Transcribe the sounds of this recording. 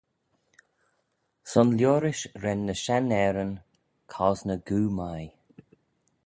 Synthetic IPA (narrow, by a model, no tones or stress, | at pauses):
sɔnljoːɾɪʃɹɛnːəʃanɛːɾən | kʰɔznəɡuːmaj